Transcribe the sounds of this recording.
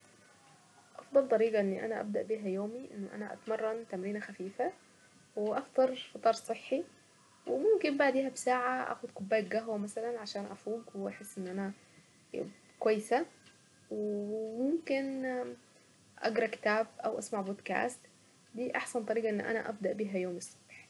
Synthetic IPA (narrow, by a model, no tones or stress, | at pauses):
ʔɑfd̪ˤɑlt̪ˤɑɾiːɡɑʔɪnːiʔæ̰naʔæ̰b̚d̪aʔbiːɦæjoːmiʔɪnːʊʔæ̰naʔa̰t̪mɑrˤːɑnt̪amɾiːnaxafiːfa | wɪʔɑft̪ˤɑɾˤfɑt̪ˤɑːɾˤsˤɨħːi | wɪmʊmkɪmbaʕd̪iːhæbsaːʕaʔa̰ːxʊd̪kʊbːaːjkɡaɦwamasalanʕaʃaːnʔæfuːɡwʔaħesːʔɪnːʔænæ | kwæjːsa | wemʊmkɪn | ʔɑ̰ɡɾˤɑkɪ̥t̪aːbʔawʔa̰smaʕboːd̪ka̰ːst̪ | d̪iːʔɑħsant̪ˤɑɾiːɡɑʔɪnːʔæ̰næ̰ʔæ̰b̚d̪aʔbiːɦæjoːmisˤːɑ̥bħ